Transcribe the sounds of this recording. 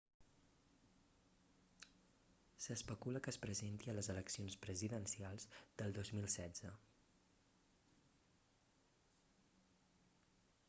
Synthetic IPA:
səspəkuləkəspɾəzent̪iələzələksionspɾəziðənsialˠzd̪̥əlˠd̪ozmilˠsɛdd͡zə

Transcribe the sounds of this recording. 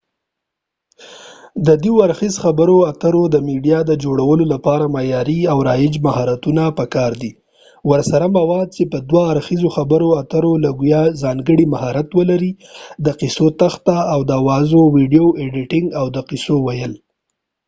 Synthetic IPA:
d̪əd̪ioaɾxizxabəɾoat̪əɾod̪əmiɖijɑd̪əd͡ʒoɽawəlolapɑɾamajɑɾiawɾɑjɪd͡ʒmahɑɾat̪unapəkɑɾd̪i | wəɾsaɾamawɑd̪̚t͡ʃepəd̪waːɾxizoxabəɾoat̪əɾolaɡujɑzɑŋɡəɽimahɑɾat̪wəlaɾi | d̪əqisot̪axt̪aːwd̪əawɑzowiɖijoʔeɖɪʈɪŋɡawd̪əqisowajəl

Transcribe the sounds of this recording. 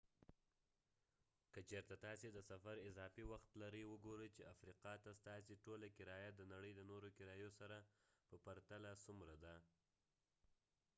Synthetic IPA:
kət͡ʃeɾt̪at̪ɑsed̪əsafaɾɪzɑfiwaxt̪laɾəjwəɡoɾəjt͡ʃeafɾiqɑt̪ast̪ɑseʈolakɪɾɑjad̪ənaɽəjd̪ənoɾokɪɾɑjosaɾapəpaɾt̪alasumɾad̪a

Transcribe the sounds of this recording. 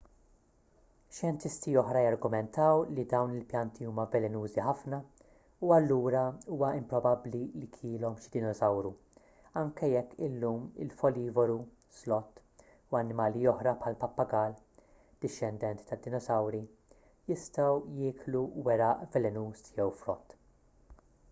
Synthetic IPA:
ʃjɛnt̪ɪst̪iɔħɾɐjɐɾɡʊmɛnt̪ɐwlid̪ɐwnɪlpjɐnt̪iuːmɐvɛlɛnuːziħɐfnɐ | uɐlːuːɾɐuːwɐɪmpɾɔbɐblilikʰɪːlɔmʃɪ̥d̪ɪnɔzɐwɾu | ɐŋkɛjɛkːɪlːuːmɪ̰lfɔliːvɔɾu | slɔt̪ː | uɐnːɪmɐːlijɔħɾɐpħɐlpɐpːɐɡɐl | d̪̥ɪʃːɛnd̪ɛnt̪t̪ɐd̪ːɪnɔsɐwɾi | jɪst̪ɐwjɪːkluwɛɾɐʔvɛlɛnuːsjɛwfɾɔt̪ː

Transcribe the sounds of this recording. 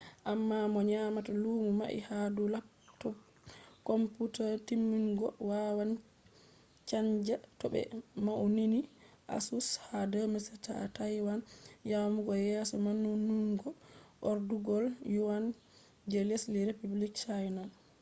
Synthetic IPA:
ʔamːamɔɲamatalumuma̰ʔḭhadula | tɔ | kɔmputatimːiŋɡɔwawan | t͡ʃaɲd͡ʒatɔɓɛ̰maʔunini | ʔa̰sushadəmɛsɛta̰tajwanjamuɡɔjɛsɔmanːunːuŋɡɔʔɔɾduɡɔljuwan | d͡ʒelisliɾepublikt͡ʃajnal

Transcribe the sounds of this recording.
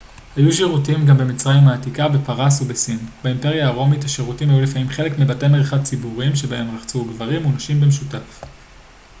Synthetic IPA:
hajuʃiʁutimɡambe̞mit͡sʁajimaːtikabe̞paʁasubesinbaimpe̞ʁjaːʁo̞mitaʃiʁutimajulifamimχe̞le̞kmibatemeʁeχad̚t͡sibuʁimʃe̞bae̞mʁaχt͡suɡvaʁimunaʃimbemʃutaf

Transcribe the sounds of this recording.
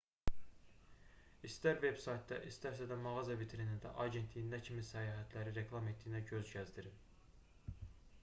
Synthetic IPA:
ist̪æɾve̞b̥sɑjt̪d̪ɑ̰ʔist̪æɾsæd̪æmɑʁɑzɑbit̪ʰeɾinind̪æ̰ʔɑɟe̞nt̪ʰlijind̪æcʰimisæjɑːɦæt̪ʰlæɾiɾe̞klˠɑme̞t̪̚d̪ijinæɟø̞zɟæzd̪iɾi

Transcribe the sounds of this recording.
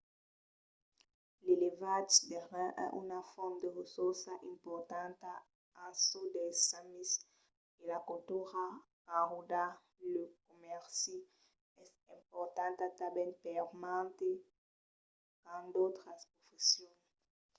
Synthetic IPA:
lelevatideʁɛ̃ʔɛ̰ʔy̰nafɔmd̪əʁəsuʁsaʔɛ̃mpɔʁt̪ɑ̃nta | ãsodɛsamis | elakotuʁakãʁuda | lək̚omɛʁsi | ɛs | ɛ̃mpɔʁt̪ɑ̃ntat̪abɛ̃npɛʁmãnte | kãnd̪ot̪χaspχofesjɔ̃n

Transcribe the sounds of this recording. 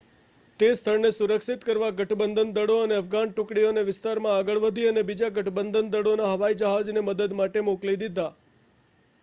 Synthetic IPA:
t̪est̪ʰəɭnesuɾəkʃit̪kəɾʋaɡəʈʰbənd̪ənd̪əɽoəneəfɡanʈʊ̃kɽijoneʋɪst̪aɾmãaɡəɭʋəd̪ʱiənebid͡ʒaɡəʈʰbənd̪ʱənd̪əɽonaɦəʋaid͡ʒəɦad͡ʒneməd̪əd̪maʈemoklid̪id̪a

